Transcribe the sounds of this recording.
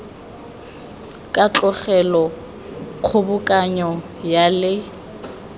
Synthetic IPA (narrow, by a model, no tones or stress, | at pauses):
kʼat͡ɬʼɔχɛlɔ | q͡χʰʊbʊkʼaɲɔ | jalɪ